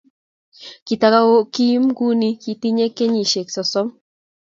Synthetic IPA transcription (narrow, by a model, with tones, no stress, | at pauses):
ki˨t̪a˧ka˦wo˦ki˦mɡu˦ni˦ki˧t̪i˦ɲe˦kːe˦ɲi˨ʃe˨ksɔ˨sɔ˦m